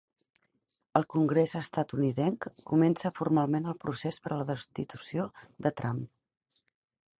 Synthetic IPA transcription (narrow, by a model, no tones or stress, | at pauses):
əlˠkuŋɡɾezəst̪at̪uniðɛŋkkumɛnsəfurmalˠmenəlˠpɾusespəɾləðəst̪it̪usiod̪ət̪ɾam